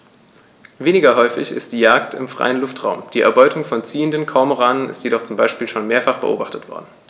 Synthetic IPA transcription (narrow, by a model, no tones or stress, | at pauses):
veːnɪɡɐɦɔʏfɪ̰çɪ̰st̚d̥iːjaːk̚tʰɪ̰mfʁ̥a̰ɪənlʊftʁ̥aʊmd̥iːʔɛ̰ɐbɔʏtʰʊŋfɔnt͡siːəndənkʰɔːmoʁaːnənɪ̰stjedɔχt͡sʊmbaɪʃpiːlʃoːnmeːɐfaχb̥ə̰ʔo̰ːbaχtətv̥ɔ̰ɐdn̩